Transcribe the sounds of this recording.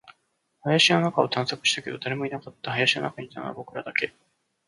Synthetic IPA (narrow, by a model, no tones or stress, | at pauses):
hajaɕino̞nakao̞t̪ãɰ̃sokɯ̟̥ɕi̥t̪ake̞d̪o̞d̪aɾe̞mo̞inakat̪ːahajaɕino̰nakaɲ̟it̪anoa̰bo̞kɯ̟ɾad̪ake̞